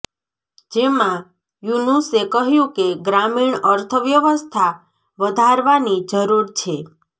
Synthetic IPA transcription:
d͡ʒemã | junusekəɦjũkeɡɾamiɳəɾt̪ʰəʋjəʋəst̪ʰa | ʋəd̪ʱaɾʋanid͡ʒəɾuɾt͡ʃʰe

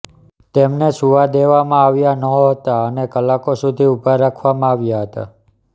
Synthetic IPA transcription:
t̪emnesuʋad̪eʋamãaʋjanəɦət̪aənekəlakosud̪ʱiupəɾɾːakʰʋamãaʋjaɦət̪a̰

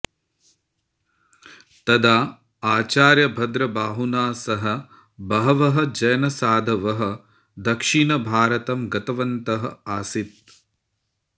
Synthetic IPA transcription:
t̪ɐd̪aː | aːt͡ʃaːɾjɐbʱɐd̪ɾɐbaːɦunaːsɐɦɐ | bɐɦɐʋɐɦɐ̆d͡ʒɐjɐnɐsaːd̪ʱɐʋɐɦɐ̆ | d̪ɐkʂinɐbʱaːɾɐt̪ɐmɡɐt̪ɐʋɐnt̪ɐɦɐaːsit̪̚

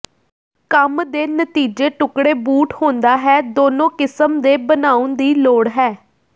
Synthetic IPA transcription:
kəmd̪eːnət̪iːd͡ʒeːʈʊkɽeːbuːʈhõːnd̪aːɦɛːd̪oːnõːkɪsəmd̪eːbənaːʊnd̪iːloːɽɦɛː

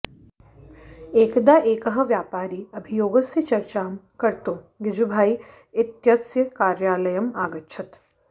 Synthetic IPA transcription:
eːkd̪aʔeːkɐɦɐ̆ʋjaːpaːɾiːɐbʱijoːɡɐsjɐt͡ʃɐɾt͡ʃaːmkɐɾt̪õː | ɡɪd͡ʒubʱaːi | ɪt̪jɐsjɐkaːɾjaːlɐjɐmaːɡɐtːʃʰɐt̪

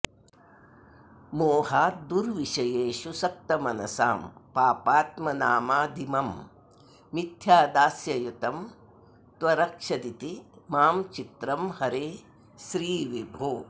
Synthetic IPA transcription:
moːɦaːd̪uɾʋiʃɐjeːʃusɐk̚t̪ɐmɐnɐ̰sa̰ːmpaːpaːt̪mɐnaːmaːd̪ʱimɐm | mit̪jaːd̪aːsjɐjut̪ɐm | t̪ʋɐɾɐkʂɐd̪it̪imaːmt͡ʃit̪ɾɐmhɐɾeː | ʃɾiːʋibʱoː

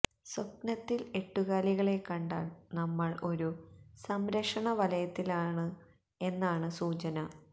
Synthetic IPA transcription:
sop̚nɐt̪ːile̞ʈːuɣaːliɣɐɭe̞kːɐɳɖa̰ːɭnɐmːɐɭo̞ɾusɐmɾɐkʂɐɳɐʋɐlɐjɐt̪ːilaːɳɨ | e̞nːaːɳɨsuːt͡ɕɐnɐ

